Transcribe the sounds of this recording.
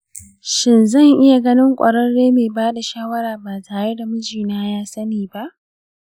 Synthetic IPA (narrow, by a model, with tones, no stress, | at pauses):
ʃɪ˨nzɐ˦˨ŋʔɪ˦ja˨ɡɐ˦nɪ˦ŋkʷʼɐ˨ɾɐ˦nːeː˦meː˨baː˦da˨ʃaː˦wɐ˦ɾaː˨baː˨taː˨e˦da˨mʊ˦d͡ʒiː˨naː˦jaː˦sɐ˦niː˨ba˦ʔ